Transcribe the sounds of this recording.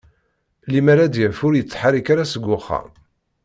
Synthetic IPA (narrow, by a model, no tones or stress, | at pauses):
limaɾad̪jæfʊɾjət͡sːħaɾikaɾasəɡʷːʊχːa̰